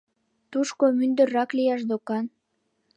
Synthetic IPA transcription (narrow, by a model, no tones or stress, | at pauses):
t̪uʃkomynd̪ə̆rɑklijɑʃd̪okɑn